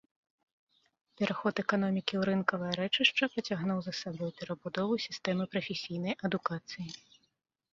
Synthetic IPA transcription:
pʲɛɾaxɔt̪ɛkan̪ɔmʲikʲiuɾɨnkɐvɐjɐɾɛt͡ʂɨʂt͡ʂɐpɾɐt͡sʲaɣnuwzɐsabɔjpʲɛɾɐbud̪ɔvɨsʲi̥st̪ɛmɨpɾɐfʲesʲijn̪ɐjʔɐd̪ukat̪sɨji

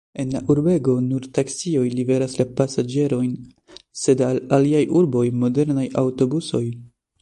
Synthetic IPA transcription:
e̞nlaʔuɾbe̞ɡo̞nuɾtaksio̞jlibe̞ɾaslapasad͡ʒe̞ɾo̞jn | se̞dalaliajʔuɾbo̞jmo̞de̞ɾnajawto̞buso̞j

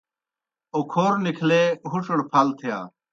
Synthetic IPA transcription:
oːkʰoːɾnikʰleɦuʂɐɽpʰaːlt̪ʰija̰ː

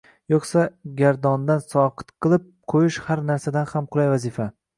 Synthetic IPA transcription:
joqsaɡʲaɾd̪ɒnd̪ansɒqʰɨ̥t̪qʰɨlˠɪp̚qʰojɪʃhaɾnaɾsad̪anhamqʰʊlˠajvazɪfa

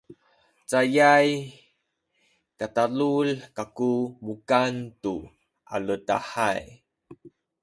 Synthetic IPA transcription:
t͡sajaj | katalulkakumukantu | ʔa̰ləta̰ħaj

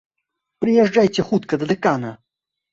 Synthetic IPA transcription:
pɾʲɪjɛʐd͡ʐajt͡sʲɛxut̪kɐd̪ɐd̪ɨkanɐ

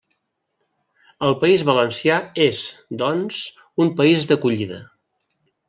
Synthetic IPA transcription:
əlˠpəizβələnsiaezd̪ɔnz | umpəizðəkuʎiðə

